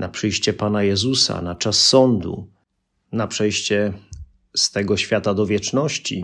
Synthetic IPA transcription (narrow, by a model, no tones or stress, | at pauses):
napʂɘjɕt͡ɕɛpanajɛzusa̰nat͡ʂasːɔnd̪ṵ | napʂɛjɕt͡ɕɛ | st̪ɛɡɔɕfʲjat̪ad̪ɔvʲjɛt͡ʂnɔɕt͡ɕḭ